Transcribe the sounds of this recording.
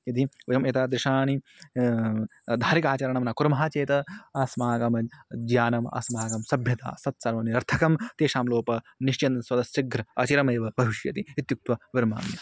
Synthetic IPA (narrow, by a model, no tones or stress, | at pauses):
it̪iʋɐjɐmet̪aːd̪ɾɪʃaːni | d̪ʱaːɾikaːt͡ʃɐɾɐɳɐmɐnaːkuɾmɐɦaːt͡ʃeːt̪ɐɐsmaːkɐmɐd͡ʒjaːnɐma̰ːsmaːkɐmsɐbʱjɐt̪a̰ːsɐt̪̚sɐɾʋɐniɐɾt̪ʰɐkɐmt̪eːʃaːmloːpɐ | niʃt͡ʃɐnswɐd̪ɐsɐɡɾɐɐt͡ʃiɾɐmeːʋɐbʱɐʋiʃjɐ̰t̪iit̪juk̚t̪wɐʋɪɾma̰ːni